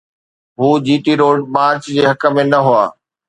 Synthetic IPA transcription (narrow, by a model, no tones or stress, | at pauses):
ɦuːd͡ʑiːʈiɾoːɖ̚ɓãːɾt͡ɕd͡ʑeːɦɐkə̆mẽnɐɦʊa̰ː